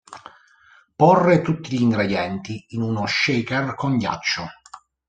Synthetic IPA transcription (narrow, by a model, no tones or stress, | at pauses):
pɔrːet̪ut̪ːiʎiŋɡɾed̪jɛnt̪iːnunoʃːɛkɛrkonɟa̰t͡ʃːo